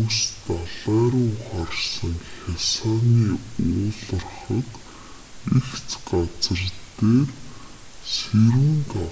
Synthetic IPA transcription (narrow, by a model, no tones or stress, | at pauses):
ust̪aɮæːɾʊːχarsə̆ŋxʲasaːniːʊːɮə̆rχə̆t̪ | ixt͡sɢat͡sə̆rt̪eːr | seɾɘ̆ŋt̪a